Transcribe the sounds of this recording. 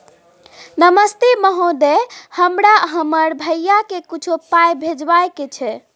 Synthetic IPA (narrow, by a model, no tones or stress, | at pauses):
nəməst̪eməɦod̪ehəmɾaɦəməɾbʱəjːakekut͡ʃʰopajbʱed͡ʒbajket͡ʃʰɛ